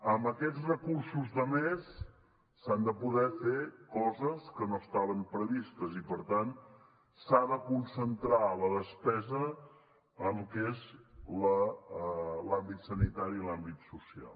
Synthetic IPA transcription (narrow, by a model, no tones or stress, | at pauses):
əmbəkɛt͡ssrəkuɾsuzðəmesː | and̪əpuðɛfekɔzəskənoəst̪aβəmpɾəβist̪əzipəɾt̪an | saðəkunsənt̪ɾaləðəspɛzə | əmlkezlə | lambit̪sənit̪aɾiːlambit̪susia̰lˠ